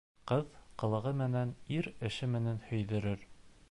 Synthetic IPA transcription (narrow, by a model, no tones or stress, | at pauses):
qɤðqɤ̆lˠɤ̆ʁɤmɘ̆næniɾɘ̆ʃɘmɘ̆nænhɵ̆jðɘ̆ɾɘɾ